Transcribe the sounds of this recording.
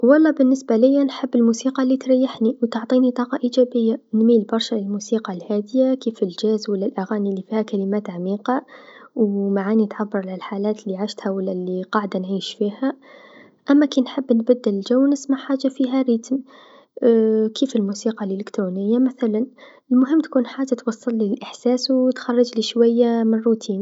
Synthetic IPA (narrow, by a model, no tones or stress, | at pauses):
wɑlˤːɑbɪnːɪsbalɪjːanħɪbːɪlmuːsiːqɑlːit̪ɾɑjːaħniwt̪ʊʕt̪ˤiːnit̪ˤɑːqɑʔiːd͡ʒæːbɪjːanmiːlbɑɾˤʃalɪlmusiːqɑlhaːd̪ɪjakiːfɪlʒæːzwalːalʔaɣaːnilːifiːhækælɪmaːt̪ʕamiːqɑwmaʕaːnit̪ʕabːɑɾˤlalħaːlaːt̪lːiʕaʃt̪hawəlːaliqɑʕd̪anʕiːʃfiːha | ʔamːakinħɪbːnbad̪ːɪlɪlʒawːnɪsmaʕħaːʒːafiːɦaɾɪt̪m | kiːfɪlmuːsiːqɑlʔɪlɪkt̪ɾuːnɪjːamaθalan | ɪlmʊɦɪmːt̪kuːnħaːʒːat̪wɑsˤːɑlːilʔɪħsaːswt̪xɑrˤːɑd͡ʒliʃwajːamɪnrːut̪ʰiːn